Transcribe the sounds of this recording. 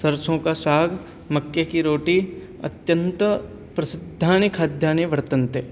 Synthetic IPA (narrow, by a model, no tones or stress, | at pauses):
sɐɾsõkasaːɡʱ | mɐkjekiɾoːʈi | ɐ̰t̪jə̃nt̪ | pɾɐsɪd̪ʱːaːnəkʰad̪ʱjaːneʋəɾt̪ənt̪e